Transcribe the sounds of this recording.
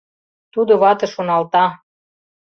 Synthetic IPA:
t̪ud̪ŏβɑt̪ɤ̆ʃonɑlt̪ɑ

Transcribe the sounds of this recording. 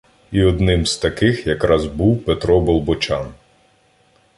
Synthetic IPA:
iɔd̪nɪmz̥t̪ɐkɪxjɐkɾɑzbuwpet̪ɾɔbɔlˠbɔt͡ʃʲɑn

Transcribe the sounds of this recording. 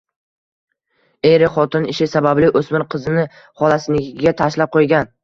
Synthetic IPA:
ejɾɪχɒt̪ɪnɪʃɪsabablɪʔɵsmɪɾqʰɨzɪnɪ | χɒlˠasɪnɪkʲɪɡʲat̪ʰaʃlap̚qʰojɡʲan

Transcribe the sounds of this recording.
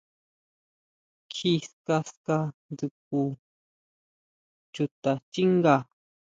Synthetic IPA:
kʰiskaskadɨk̚u | t͡ʃʊt̪at͡ʃiŋɢa

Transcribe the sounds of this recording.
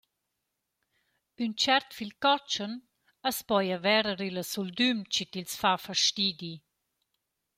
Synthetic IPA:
ynt͡ʃɛɾt̪filkɔt͡ʃən | əspɔjəvɛɾəɾiləsuld̪ymt͡ʃit̪ilsfafəʃtid̪i

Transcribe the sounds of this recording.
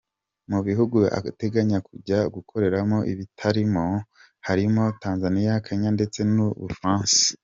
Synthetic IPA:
muβiɦuɡua̰te̞ɡaɲakuɟaɡukʰo̞ɾe̞ɾamo̞ʔḭβitʰaɾimo | haɾimo̞taːnzanijakʰaɲande̞t͡se̞nuβṵfɾãːnsi̥

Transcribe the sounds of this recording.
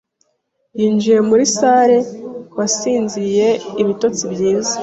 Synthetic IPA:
jiːnd͡ʒije̞muɾisaɾe̞wasiːnzije̞iβito̞t͡sibjiːza

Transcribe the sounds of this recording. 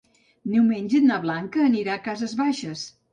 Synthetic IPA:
newmenʲʒəd̪naβlaŋkəːniɾakazəzβaʃəs

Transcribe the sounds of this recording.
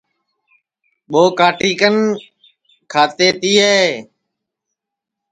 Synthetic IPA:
ɓoːkaːʈiːkən | kʰaːt̪eːt̪iːɦeː

